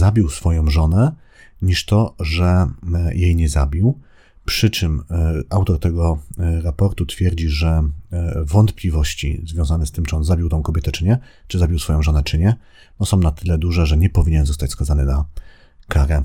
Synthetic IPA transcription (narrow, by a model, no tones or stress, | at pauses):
zabʲiwsfɔjɔ̃w̃ʐɔnɛ | ɲiʂt̪ɔʐɛjejɲɛza̰bʲiw | pʂɘt͡ʂɘmawt̪ɔɾt̪ɛɡɔɾapɔɾt̪ut̪fʲjɛɾd͡ʑiʐɛ | vɔnt̪plʲivɔɕt͡ɕḭzvʲjɔ̃w̃zanɛst̪ɘmt͡ʂɨɔnzabʲiwt̪ɔ̃w̃kɔbʲjɛt̪ɛt͡ʂɘɲɛ | t͡ʂɨzabʲiwsfɔjɔ̃w̃ʐɔnɛt͡ʂɘɲɛ | nɔsɔ̃w̃nat̪ɘlɛd̪uʐɛʐɛɲɛpɔvʲiɲɛnzɔst̪at͡ɕʲskazanɘna | kaɾɛ